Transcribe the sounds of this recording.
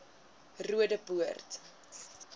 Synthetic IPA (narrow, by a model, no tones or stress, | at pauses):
ruədəpuərt